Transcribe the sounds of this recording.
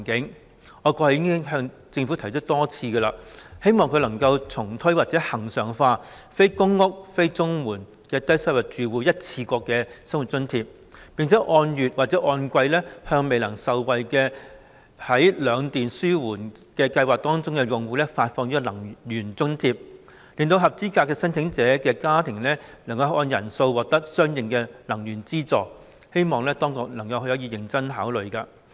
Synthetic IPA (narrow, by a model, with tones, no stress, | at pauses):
ŋkɪ˨˥ŋ | ɔː˨˧kʷɔː˧hɐ˨˩jɪ˥ŋkɪ˥ŋɦœː˧ŋ | t͡sɪ˧ŋfu˨˥t̪ʰɐ˨˩jt͡ʃʰə˥t̚t̪ɔː˥t͡sʰiː˧ɡə˧la̰ː˧he˥jmɔː˨ŋkʰɵ˧lɐ˨˩ŋkɐ˧wt͡sʰʊ˨˩ŋt̪ʰɵ˥ɥwaː˨t̚t͡sɛː˨˥hɐ˨˩ŋsœː˨˩ŋfaː˧ | fe˥jkʊ˥ŋːʊ˥k̚fe˥jt͡sʊ˥ŋmuː˨˩n | kɛː˧t̪ɐ˥jsɐ˥wɐ˨˩t͡ʃyː˨˩wuː˨˧jɐ˥t̚t͡sʰiː˧kɔː˧kːɛː˧sɐ˥mwu˨t̚t͡sɵ˥nt̪ʰiː˧p̚ | pi˨ŋt͡sʰɛː˨˥ʔɔː˧njyː˨t̚waː˨t̚t͡sɛː˨˥ʔɔː˧nkʷɐ˧jlɛ˥hœː˧ŋme˨jlɐ˨˩ŋsɐ˨˧wwɐ˨˧jkɛː˧ | hɐ˨˥jlœː˨˧ŋt̪iː˨nsyː˥wuː˨˩nkɛː˧kɐ˧jwaː˨k̚t̪ɔː˥ŋt͡sʊ˥ŋkɛː˧jʊ˨ŋwuː˨˧lɛː˥faː˧t̚fɔː˧ŋniː˥kɔ˧lɐ˨˩ŋjyː˨˩nt͡sɵ˥ŋt̪ʰiː˧p̚ | liː˨nt̪o˧wɦɐ˨p̚t͡siː˥kaː˧kːɛː˧sɐ˥nt͡sʰɪ˨˥ŋt͡sɛː˨˥kɛː˧kaː˥t̪ʰɪ˨˩ŋlɛː˥nɐ˨˩ŋkɐ˧wʔɔː˧njɐ˨˩nso˧wwɔː˨k̚t̪ɐ˥k̚sœː˥ŋjɪ˨ŋkɛː˧lɐ˨˩ŋjyː˨˩nt͡siː˥t͡sɔː˨ | he˥jmɔː˨ŋlɛː˥t̪ɔː˥ŋkʊ˨k̚nɐ˨˩ŋkɐ˧whjhɔː˨˥jiː˧jɪ˨˩ŋt͡sɐ˥nɦaː˨˥wlɵ˨ɥkaː˧